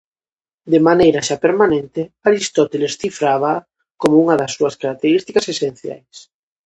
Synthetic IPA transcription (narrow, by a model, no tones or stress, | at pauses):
d̪emanejɾaʃapeɾmanẽnt̪ɪaɾist̪ɔt̪elesθifɾaβ̞a | komouŋɐðasːuɐskaɾak̚t̪eɾist̪ikasesen̟θja̰js